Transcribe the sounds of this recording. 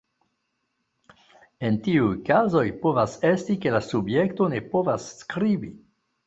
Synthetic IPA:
e̞ntiujkazo̞jpovasestike̞lasubjekto̞ne̞povasːkɾibi

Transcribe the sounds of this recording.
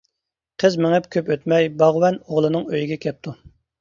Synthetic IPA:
qʰəzmɪŋɛpkʲʰøpøt̪mɛjbɑʁwɛnoʁlˠɨnɨŋøjiɡʲɛkʲʰɛp̚t̪ʰu

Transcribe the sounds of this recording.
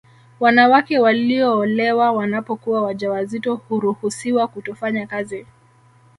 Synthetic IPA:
wanawakɛwaliɔːlɛwawanapɔkuwawaʄawazitɔhuɾuhusiwakutɔfaɲakazi

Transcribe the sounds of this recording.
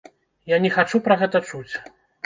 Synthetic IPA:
janʲɛxat͡ʂupɾɐɣɛt̪ɐt͡ʂut͡sʲ

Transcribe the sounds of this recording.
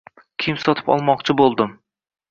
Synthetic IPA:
kʲʰɪmsɒt̪ʰɪ̥pɒ̰lˠmɒqt͡ʃʰɪbolˠd̪ɪm

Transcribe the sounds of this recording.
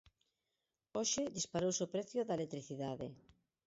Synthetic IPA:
oʃɪðispaɾowsopɾɛθjʊðɐaelet̪ɾiθiðaðe

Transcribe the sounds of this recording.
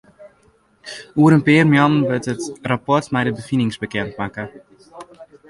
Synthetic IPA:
uəɾənpɪərmjɔnnʋətətrapɔrtmɛjdəbəfinɪŋzbəkɛntmakə

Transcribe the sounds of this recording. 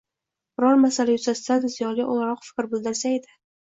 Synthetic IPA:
b̥ʊɾɒɾmasalajʊzasɪd̪ad̪ɪzijɒɡʲaʔʊlˠaɾɒqfɪ̥kʲɾbʊlˠd̪ɪɾsaed̪ɪ

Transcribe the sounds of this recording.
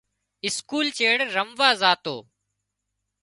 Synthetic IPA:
ɪskuːlt͡ʃeːɽɾəmʋaːzaːt̪o̰ː

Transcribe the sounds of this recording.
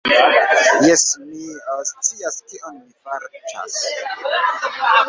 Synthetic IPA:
jɛsmist͡siaskiʔonmifaɾt͡ʃa̰s

